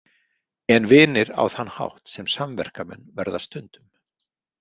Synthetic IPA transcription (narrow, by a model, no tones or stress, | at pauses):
ɛnvɪːnɪɾa̰wθanːha̰wht̪sɛmsamvɛr̥kamɛnːvɛɾðast̪ʏnt̪ʏm